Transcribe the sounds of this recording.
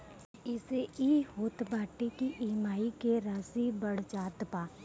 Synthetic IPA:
ɪseiːhoːt̪baːʈikiʔiːmaːikeɾaːsibɐɽ̤t͡ʃaːt̪paː

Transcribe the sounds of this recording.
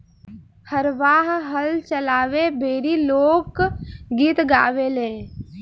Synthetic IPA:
həɾʋaːɦɦəlt͡ʃəlaːʋebʱeːɾiloːkɡiːt̪ɡa̰ːʋelẽː

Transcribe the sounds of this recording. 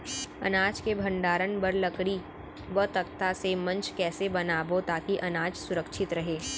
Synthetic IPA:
ɐ̰naːd͡ʒkebʱɐ̃ɳɖaːɾənbɐɾlɐkɽi | ʋət̪ɐk̚t̪asemɐ̃nt͡ʃkɛːsebɐnaːbot̪aːkiʔɐnaːd͡ʒsʊɾəkʃʰɪt̪ɾɐɦeː

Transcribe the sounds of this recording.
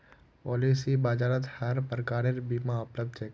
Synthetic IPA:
pɔːliːsibaːd͡ʒaːɾət̪həɾpɾkaːɾeɾbiːmãʊpləb̚d̪t͡ʃeːk

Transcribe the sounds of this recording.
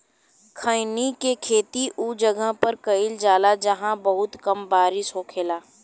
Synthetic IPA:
kʰəɪnikekʰeːt̪iʔuːd͡ʒɐɡəɦpɐɾkɐɪld͡ʒaːlad͡ʒɐɦãbɐɦʊt̪kɐmbaːɾɪʃɦokʰeːlaː

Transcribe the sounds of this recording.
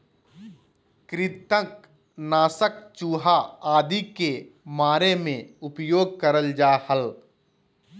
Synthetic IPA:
kɾɪt̪ə̃k | naːsək̚t͡ʃuːɦaaːd̪ikemaːɾemẽʊpjoːɡ̚kəɾəld͡ʒaːhəl

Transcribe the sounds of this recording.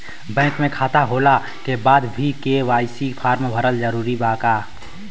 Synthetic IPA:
bɛ̃ːŋkmẽkʰaːt̪aɦoːla | kebaːd̪bʱikeʋaːɪsipʰaːɾmbʱəɾəld͡ʒəɾuːɾibaːkaː

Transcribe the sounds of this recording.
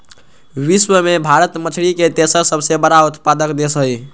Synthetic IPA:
ʋiswəmebʱaɾət̪mət͡ʃʰɽiket̪esəsəbʱsebəɾaut̪pad̪əkd̪esɦəj

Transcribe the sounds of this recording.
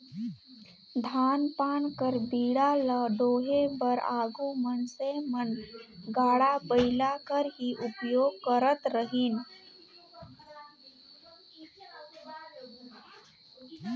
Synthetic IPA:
d̪ʱaːnpaːnkəɾbiːɽaləɖoːɦebəɾaːɡumənsemənɡaːɽabəɪlakəɾɦiʔʊpjoːɡ̚kəɾət̪ɾəɦiːn

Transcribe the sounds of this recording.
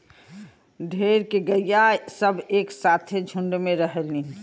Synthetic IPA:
ɖʱeːɾkeɡəjjasəbeːksaːt̪ʰed͡ʒʱʊ̃ɳɖmẽɾəɦəlĩ

